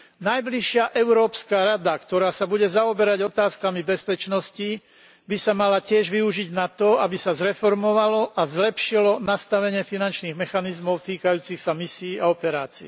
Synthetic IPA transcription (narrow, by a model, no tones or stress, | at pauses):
najbliʃɪaʔɛʊɾɔːpskaːɾad̪akt̪ɔɾaːsabuɟɛzaɔbɛɾaɟɔt̪aːskamibɛspɛt͡ʃnɔsci | bisamalacɪɛʒʋiuʒiɟnat̪ɔabisazɾɛfɔɾmɔʋalɔʔazlɛpʃilɔnast̪aʋɛɲɪɛfinant͡ʃniːɣmɛxanizmɔʊt̪iːkajuːt͡sixsamisiːaɔpɛɾaːt͡sḭː